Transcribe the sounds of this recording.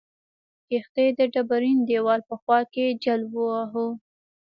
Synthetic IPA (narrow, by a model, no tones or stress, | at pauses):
kext̪ed̪əɖabaɾind̪ewɑlpəxwɑked͡ʒalbuaɦo